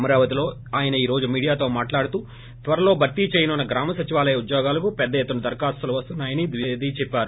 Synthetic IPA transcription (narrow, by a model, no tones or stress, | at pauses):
ɐmɐɾaːʋɐt̪ilo̞ː | aːjɐnɐiːɾo̞ːd͡ʒumiːɽijaːt̪o̞ːmaːʈlaːɽut̪uː | t̪ʋɐɾɐlo̞ːbʱɐɾt̪ːit͡ʃeːjɐnunːɐɡɾaːmɐsɐt͡ʃiʋaːlɐjɐud̪joːɡaːlɐkupɛd̪ːɐjet̪ːunɐd̪ɐɾkaːst̪ɐluʋɐst̪unːaːjɐnid̪ʋid̪iːt͡ʃɛpːaːɾu